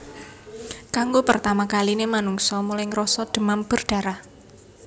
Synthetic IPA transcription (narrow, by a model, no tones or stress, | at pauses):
kaŋɡopərt̪amakalinemanuŋsɔmulajŋɾɔsɔd̥ə̤mamb̥ərɖ̥a̤ɾah